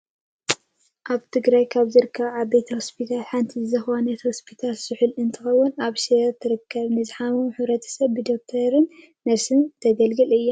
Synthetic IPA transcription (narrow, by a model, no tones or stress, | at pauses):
ʔaβt̪ʰɨɡɾajkʰaβzɨɾɨkʰːɐβʕabejt̪ʰɐhospʰit̪ʰalħant̪ʰizɐxanɐt̪hospʰit̪ʰalsɨħɨlɨnt̪ʰɨxɐwːʊnaβʃet̪ʰɨɾɨkʰːɐβnɨzɨħamumħɨβɾɐt̪ʰɐ̥sɐβbɨd̪ok̚t̪ʰɐɾɨnː | ɐβsɨnt̪ʰɐɡɐlɡɨlɨjːa